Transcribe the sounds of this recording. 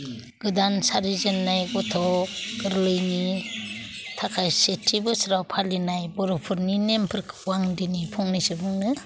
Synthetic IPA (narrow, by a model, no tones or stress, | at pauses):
ɡ̥ɯdansaɾizɯnːajɡɔtʰɔɡ̥ɯɾlɯjni | tʰakʰajsetʰibɯsɾawpʰalinajbɔɾɔpʰɯɾninempʰɯɾkʰwaŋdinipʰɔŋnijsɯbɯŋnɯ